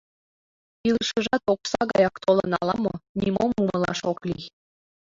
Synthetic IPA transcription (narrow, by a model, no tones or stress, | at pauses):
ilʃəʒɑt̪oksɑɣɑjɑkt̪olɤ̰nɑ̰lɑmo̰nʲimomuməlɑ̰ʃokli